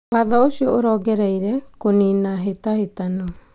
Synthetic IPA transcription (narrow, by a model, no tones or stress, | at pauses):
βaðɔosiɔoɾɔɡɛɾaiɾɛkoninaɦet̪ahet̪anɔ